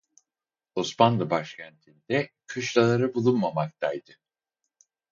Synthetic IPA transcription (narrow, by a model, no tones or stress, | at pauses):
usmanlˠɯbaʃcʰænt̪ʰind̪ɛkʰɯʃlˠalˠaɾɯbulˠunmamak̚t̪ʰajd̪ɯ